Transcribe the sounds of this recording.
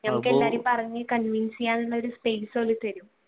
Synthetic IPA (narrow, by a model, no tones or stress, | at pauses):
nɐmukːɨelːaːɾumpɐrɐɲːikɐnʋinsijaːnuɭːɐoɾuspejsoːlːɨt̪ɐɾum